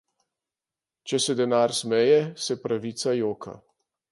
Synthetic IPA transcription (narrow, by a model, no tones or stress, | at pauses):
t͡ʃɛsɛd̪ɛnaːɾsmɛjɛsɛpɾaʋiːt̪sajoːkʰa̰